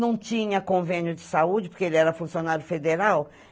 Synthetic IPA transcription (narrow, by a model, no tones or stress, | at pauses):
nɐ̃w̃t͡ʃĩɲɐkõvẽnjʊd͡ʒɪsaud͡ʒɪpoɾkeelɪɛɾɐfũsjonaɾjʊfed̪eɾaw